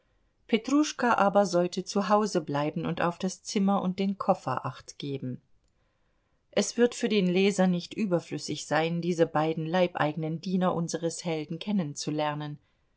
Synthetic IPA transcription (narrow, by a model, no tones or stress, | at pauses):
pʰetʁ̥uʃkaʔaːbɐzɔltət͡suɦaʊzəblaɪbm̩ʊnta̰ʊfd̥ast͡sɪmɐʔʊnt̚d̥eːnkʰɔfɐ̰ʔa̰χtɡ̥eːbm̩ | ʔɛsv̥ɪɐtfyːɐdeːnleːzɐnɪçtʔyːbɐflʏsɪçz̥aɪndiːzəbaɪdn̩laɪpʔa̰ɪɡənəndiːnɐʔʊnzəʁəshɛldn̩kʰɛnənt͡sulɛɐnən